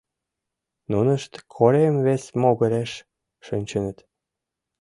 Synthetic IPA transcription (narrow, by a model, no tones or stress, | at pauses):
nunə̆ʃt̪kʰoɾemvesmoɣə̆ɾeʃ | ʃynʲt͡ɕə̆nə̆t̪